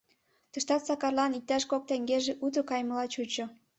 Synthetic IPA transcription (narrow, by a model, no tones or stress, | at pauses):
t̪ə̆ʃt̪ɑt̪sɑkɑrlɑnik̚t̪æʃkok̚t̪eŋɡeʒeʔut̪ə̆kɑjmə̆lɑt͡ɕut͡ɕŏ